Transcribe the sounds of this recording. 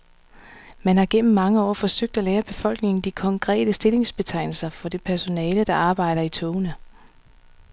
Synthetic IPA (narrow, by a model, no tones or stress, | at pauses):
mænhɑ̈ɡ̥en̰m̩ːɑ̈ŋəɒ̰ːfɒ̽søɡ̥̚d̥æleːɐb̥e̝fɒ̽l̰ɡ̥ne̝ŋn̩d̥ikʰɒ̽ŋkʰʁɛ̰ːd̥əsd̥e̝le̝ŋsb̥e̝t͡sʰɑ̈ɪ̰nl̩sɐfɒ̽d̥e̝pʰæɐso̝nɛːləd̥ɑ̈ɑ̈ːb̥ɑ̈ɪ̰ɾ̥ɐit͡sʰɔʊnə